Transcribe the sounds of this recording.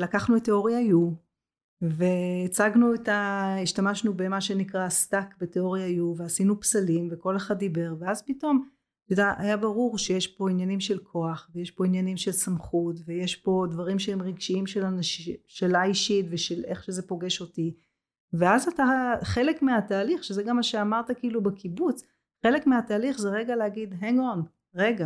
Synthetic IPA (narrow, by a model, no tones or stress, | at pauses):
lakaχnuet̪ːeo̞ʁjaju | ve̞t͡saɡnuetaiʃtamaʃnubemaʃe̞nikʁastakbeteo̞ʁjajuveasinupsalimveko̞leχad̪̚ːibe̞ʁveazpito̞m | tudaʔajabaʁuʁʃejeʃpo̞injanimʃe̞lkʰo̞aχveje̞ʃpo̞injanimʃe̞lsamχutveje̞ʃpo̞dvaʁimʃeemʁiɡʃiimʃe̞lanaʃʃelaiʃitveʃeleχʃe̞ze̞po̞ɡe̞ʃo̞ti | ve̞azataχe̞lekmeataːliχʃezeɡamːaʃeamaʁtakiilubekibut͡s | χe̞le̞kmeataːliχzeʁe̞ɡalehaɡidɦeŋɡon | ʁe̞ɡa